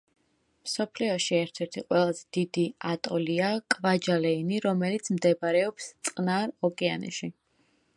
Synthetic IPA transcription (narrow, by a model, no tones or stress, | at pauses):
msɔpʰliɔʃiɛɾt̪ʰɛɾt̪ʰiqʼwɛlˠazɛd̪̥id̪iat̪ʼɔliakʼvad͡ʒalɛiniɾɔmɛlit̪sʰmd̪ɛbaɾɛɔpst̪sʼqʼnaɾɔkʼɛanɛ̰ʃi